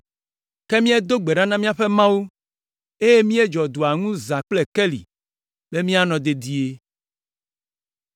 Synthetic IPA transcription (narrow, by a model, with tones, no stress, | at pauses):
ke˦mĩ˦e˦d̪o˦ɡ͡be˨ɖa˦nã˦mĩ˦a˦ɸe˦mã˦wu˦ | e˦je˦mĩ˦e˦d͡ʒɔ˨d̪u˨a˨ŋũ˦za˨k͡ple˨ke˦lḭ˨ | be˦mĩ˦a˦nɔ̃˨d̪e˨d̪i˨e˦